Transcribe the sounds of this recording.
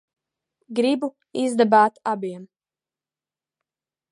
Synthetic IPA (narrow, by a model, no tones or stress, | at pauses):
ɡɾibu | izd̪abaːt̪abiɛm